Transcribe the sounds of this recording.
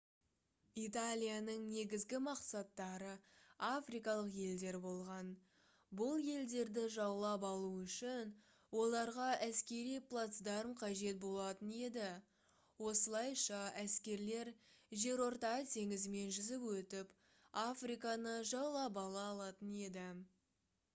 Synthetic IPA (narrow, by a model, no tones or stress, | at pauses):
it̪alʲijanəɴne̞ɡʲɪzɡʲɪmɑqsɑt̪ːɑɾəafrijkɑlˠəqje̞ld̪e̞ɾbo̞lˠʁɑn | bʊlˠje̞ld̪e̞ɾd̪ɪʒɑwlˠɑpɑlˠuʏʃɪn | wo̞lˠɑɾʁɑʔæskʲe̞ɾijplˠat̪sd̪ɑɾəmqʰɑʒe̞t̪̚bo̞lˠɑt̪əne̞d̪ɪ | wo̞səlˠɑjʃɑæskʲe̞ɾle̞ɾʒe̞ɾo̞ɾt̪ɑʁət̪ʰe̞ŋɪzɪme̞nʒʏzɪpwɵt̪ɪp | afrijkɑnəʒɑwlˠɑp̬ɑlˠɑːlˠɑt̪əne̞d̪ɪ